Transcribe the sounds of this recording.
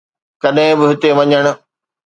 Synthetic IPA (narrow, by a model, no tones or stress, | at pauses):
kɐɗɦɪ̃bɪɦɪt̪eʋɐɲəɽ̃ʊ̆